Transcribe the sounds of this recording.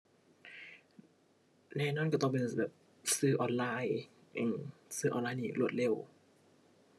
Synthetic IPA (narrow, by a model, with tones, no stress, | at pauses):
nɛː˧˩˨nɔː˧˥˨nkaː˧˩t̪ɔ˧ŋpe˧˨nbɛː˨˩p̚ | sɯː˧˩ʔɔː˧˩nlaː˧˥˩j | ʔɯː˧˩msɯː˧˩ʔɔː˧˨nlaː˧˥˨jniː˧˩lu˧˩t̪̚le˧˩˨w